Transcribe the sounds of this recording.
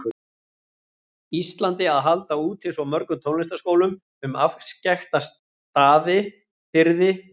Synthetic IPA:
ist̪lant̪ɪaðɦalt̪auːt̪hɪsuamœɾkʏt̪ʰownlɪst̪askoːwlʏm | ʏmafscaxt̪as | t̪aːðɪ | fɪɾðɪ

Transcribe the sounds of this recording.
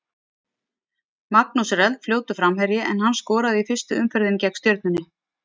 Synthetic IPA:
maknusrɛlt̪fljoːwt̪ʏfɾamɦɛɾjɪʔɛnhanːskɔːɾaðʏifɪst̪ʏʏmfɛɾðɪncɛkst̪jœɾt̪̚nʏnːɪ

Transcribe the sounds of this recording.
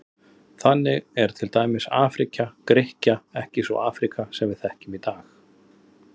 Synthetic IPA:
θanːɪɣɛɾ̥t̪ʰɪlt̪aːjmɪsa̰ːfɾicakɾɪhcaɛhcɪsvɔ̰ʔaːfɾikasɛmvɪðθɛhcʏmit̪aːx

